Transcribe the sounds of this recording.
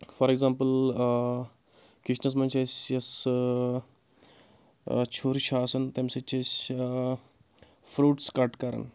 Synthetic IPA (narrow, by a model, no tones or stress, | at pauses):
fɔɾeɡzampəl | kɾiʂnəs̬mənt͡ɕesjɐs | t͡ɕʰoɾiɕaːsənt̪emset͡ɕes | fɾuːʈskaʈkaɾə̰n